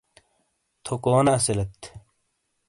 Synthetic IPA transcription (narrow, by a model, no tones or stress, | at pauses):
t̪ʰokoːnaːselɐt̪